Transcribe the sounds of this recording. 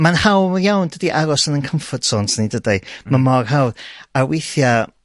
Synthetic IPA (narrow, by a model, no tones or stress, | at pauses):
manhawmjawndədiʔaɾɔsənənkʰəmfɔtsoːntʰnidədajmamɔrhawdawejθja